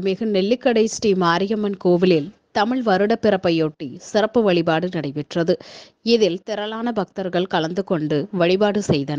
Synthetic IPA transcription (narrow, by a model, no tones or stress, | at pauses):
mɪɣɯnɛlːɪkːɐɽɐɪsʈiːmaːɾɪjɐmɐnkoːʋɪlɪlt̪ɐmɪɭʋɐɾɯɽɐpːɪɾɐpːɐjoːʈːisɪɾɐpːɯʋɐɭɪbaːɽɯnɐɽɐɪʋɪʈrɐðɯ | ɪðɪlt̪ɪɾɐlaːnɐbɐk̚t̪ɐɾɣɐɭkɐlɐnd̪ɯkɔɳɖɯʋɐɭɪbaːɽɯsɛjðɐnɐ